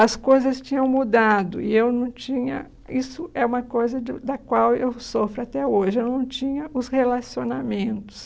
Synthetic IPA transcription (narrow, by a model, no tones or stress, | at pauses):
ɐskojzɐst͡ʃĩɲɐ̃w̃mud̪ad̪ʊ̰ɪewnɐ̃w̃t͡ʃĩɲɐ̰ | isʊɛũmɐkojzɐd͡ʒɪd̪ɐkwawewsofɾɪat̪ɛoʒɪewnɐ̃w̃t͡ʃĩɲɐʊshelasionamẽnt̪ʊ̥s